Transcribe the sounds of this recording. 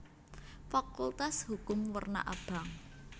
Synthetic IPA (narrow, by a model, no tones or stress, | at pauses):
fakult̪ashukʊmwərna̰ʔab̥a̤ŋ